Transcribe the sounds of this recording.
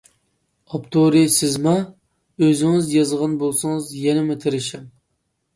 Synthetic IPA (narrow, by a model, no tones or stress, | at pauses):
ɑpt̪ʰoɾisɪzmɑ | øzɪŋɪzjɑzʁɑnbolˠsɨŋɨzjɛnɪmɪt̪ʰɪɾɪʃɛm